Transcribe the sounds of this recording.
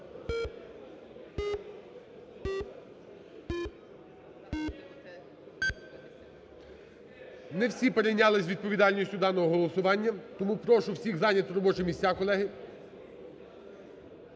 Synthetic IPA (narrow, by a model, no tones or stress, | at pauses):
nɛwsʲipeɾejnʲɑlˠɪsʲʋʲid̪̚pɔʋʲid̪ɑlʲnʲisʲtʲʊd̪ɑnɔɦɔɦɔlˠɔsʊʋɑnʲːɐt̪ɔmupɾɔʃʊwsʲiɣzɑnʲɐt̪ɾɔbɔt͡ʃʊmʲisʲt͡sʲːakɔlˠɛɦɪ